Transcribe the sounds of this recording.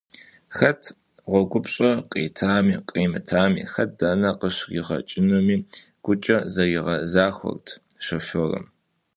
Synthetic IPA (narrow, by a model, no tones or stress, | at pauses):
xɐtʰ | ʁʷɔɡʷʊpɕʼɐqʼiːtʰaːmiːqʼiːmɨtʰaːmḭːxɐt̚ʰdɐnɐqəʃiʁɐ̰t͡ʃʼɪnomiːɡ̥ʷʊt͡ʃʼɐzɐjiʁɐzaːxʷɔ̰rtʰʃɐfɨrɨ̰m